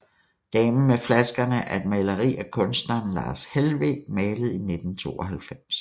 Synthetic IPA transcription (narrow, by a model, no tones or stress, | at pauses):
d̥ɛːməmeflæsɡ̥ɐnəʔæɐe̝d̥̚mæɪləʁḭːækʰɔ̽nsd̥nɐːnlɑ̰̈ːshelʋḛ̥mɛːləð̩ˠine̝d̥n̩t͡sʰo̝̰ːɒɦælfem̰s